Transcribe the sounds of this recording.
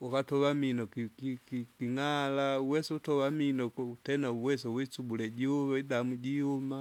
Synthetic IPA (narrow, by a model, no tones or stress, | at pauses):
ukatɔβaminɔkikikikiŋalauwɛsɛutɔβaminɔkutɛnauwɛsɛwɛt͡subulɛɟiuβaidamuɟihuma